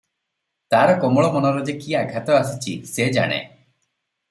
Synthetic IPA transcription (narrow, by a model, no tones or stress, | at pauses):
t̪aɾɔkɔmɔɭɔmɔnɔɾɔd͡ʒekiaɡʱat̪ɔasit͡ʃʰised͡ʒa̰ɽ̃ḛ